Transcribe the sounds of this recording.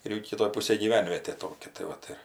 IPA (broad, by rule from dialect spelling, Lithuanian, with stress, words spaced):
ɪr ˈjɛʊ kʲɪˈtoːj ˈpʊsʲeːj ɡʲiːˈʋʲɛnʲʋʲiɛtʲeː ˈtoːkʲɛ tɐɪ ˈʋɐt ɪr